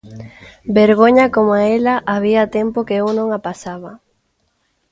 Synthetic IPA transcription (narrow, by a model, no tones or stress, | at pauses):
beɾɣoɲakomoaelɐʔaβ̞iat̪empokeuwnõŋapasaβ̞ɐ